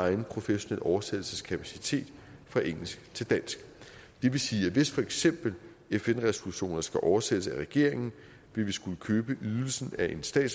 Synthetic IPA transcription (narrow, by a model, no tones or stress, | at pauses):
ɑ̈ɪn̩pʰʁo̝feɕo̝nel̰ʔɒʊɐsed̥l̩səskʰæpʰæsit͡sʰe̝̰ːd̥fʁɑ̈ʔeŋ̰l̩sɡ̥t͡sʰe̝ld̥æn̰sɡ̥ | d̥e̝ʋe̝siːæʋe̝sfɒ̽eɡ̥sem̰b̥l̩ | efenʁɛso̝luɕo̝̰ːnɐsɡ̥æʔɒʊɐsed̥əsæʁɛɡ̥e̝ɐ̰e̝ŋn̩ | ʋe̝lʋisɡ̥uləkʰøːb̥əʔyðˠl̩sn̩æʔe̝nsd̥ɛ̰ːd̥s